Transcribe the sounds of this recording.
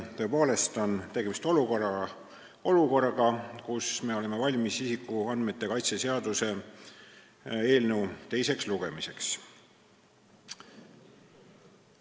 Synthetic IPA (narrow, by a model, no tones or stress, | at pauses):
t̪ø̞po̞ːle̞st̪o̞nt̪e̞ɡe̞mist̪o̞lukorɑ | o̞luko̞rːɑɡ̥ɑkusme̞o̞le̞me̞vɑlʲmisisikːˑuɑnd̪̥me̞t̪ːˑe̞kɑjt̪sese̞ɑd̪use̞ | e̞ːlnewt̪e̞jse̞ksluɡ̥e̞mise̞ks